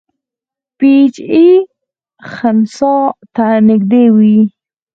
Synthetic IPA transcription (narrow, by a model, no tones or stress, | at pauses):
pit͡ʃi | xansɑt̪anɪɡd̪ewi